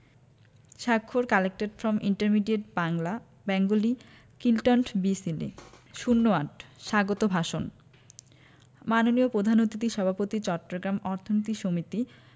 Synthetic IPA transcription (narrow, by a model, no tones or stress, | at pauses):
ʃakʰːoɾkɛlek̚ʈeɖfɾɔmʔiɳʈeɾmiɖieʈ̚baŋla | bɛŋɡoli | kilʈonʈbisilḛʃunːoaʈʃaɡot̪obʱaʃon | manoniopɾod̪ʱanot̪it̪iʃɔbʱapot̪it͡ɕɔʈːɾoɡɾamɔɾt̪ʰonit̪iʃomit̪i